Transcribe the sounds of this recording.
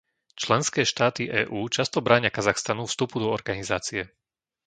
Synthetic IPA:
t͡ʃlɛnskɛːʃt̪aːt̪iʔɛːʔuːt͡ʃast̪ɔbɾaːɲɪakazaxst̪anufst̪upud̪ɔɔɾɡanizaːt͡siɛ

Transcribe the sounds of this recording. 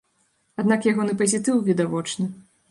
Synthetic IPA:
ad̪nakjaɣɔnɨpɐzʲit̪ɨwvʲid̪avɔt͡ʂnɨ

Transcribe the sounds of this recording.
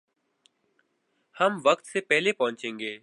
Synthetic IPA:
həmʋəkt̪seːpɛɦlepɐɦʊ̃nt͡ʃẽːŋɡeː

